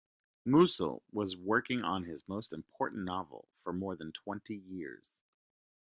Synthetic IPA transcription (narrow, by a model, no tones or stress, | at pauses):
musl̩ˠwʌzwɜ˞kɪ̃ŋə̃nɪzmoʊstɨ̃mpʰɔɹʔn̩nɑvl̩ˠfə˞mɔɹðɨ̃ntʰw̥ɛ̃ntʰijɪɹz̥